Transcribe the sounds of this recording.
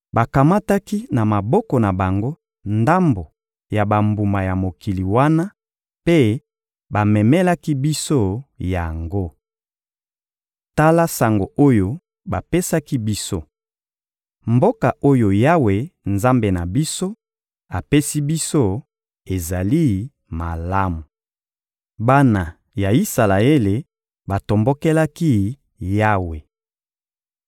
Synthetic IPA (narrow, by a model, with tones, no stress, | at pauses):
ba˨ka˨ma˦ta˦ki˦na˨ma˨bɔ˦kɔ˨na˨ba˨ŋɡo˦ | nda˦mbo˨ | ja˨ba˨mbu˨ma˨ja˨mo˨ki˨li˨wa˦na˦ | pe˦ | ba˨mɛ˨mɛ˦la˦ki˦bi˦so˦ja˨ŋɡo˦ | ta˦la˦sa˨ŋɡo˨ʔo˦jo˦ | ba˨pe˦sa˦ki˦bi˦so˦ | mbo˦ka˨o˦jo˨ja˦we˨nza˦mbe˨na˨bi˦so˦ | a˨pe˦si˦bi˦so˦ | e˨za˨li˦ | ma˨la˦mu˨ | ba˦na˨ | ja˨i˦sa˨la˨e˦le˨ | ba˨to˨mbo˦kɛ˦la˦ki˦ | ja˦we˨